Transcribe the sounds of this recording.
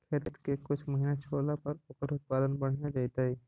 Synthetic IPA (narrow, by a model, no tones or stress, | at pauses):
kʰeːt̪t̪kekʊt͡ʃʰmɐɦinat͡ʃʰoːlapɐɾʊkəɾʊt̪̚paːd̪ənbɐɽ̤nad͡ʒaːit̪aɦɛ